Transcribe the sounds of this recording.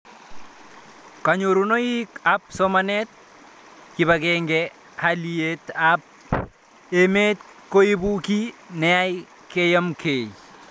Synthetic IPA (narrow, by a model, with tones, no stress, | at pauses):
ka˨ɲo˨ɾu˨no˦ji˦ka˦p̚so˦manɛ˦t̪̚ | ki˨ba˨ɡɛŋɡɛ | halie˦t̪ap̚ | e˨me˦t̪̚ | ko˦i˦bu˦ki˦nɛ˨a˦j | ke˦ja˦mkʰe˨j